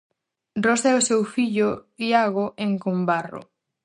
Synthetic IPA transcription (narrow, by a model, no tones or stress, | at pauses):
rosɛʊsewfiʎʊiaɣoʔeŋkombarʊ̰